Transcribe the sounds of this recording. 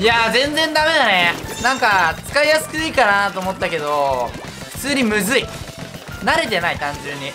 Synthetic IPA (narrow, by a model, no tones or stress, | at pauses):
jazẽ̞nd͡zẽ̞nd̪ame̞d̪anenãŋkat͡sɨ̥kaijasɨ̥kɯikanat̪o̞ːmot̪ːake̞d̪o̞ | ɸɯ̥t͡sɨːɾʲimɯ̟zɨi | naɾe̞t̪e̞nait̪ãɲ̟d͡ʑɨ̃ɲ̟ːi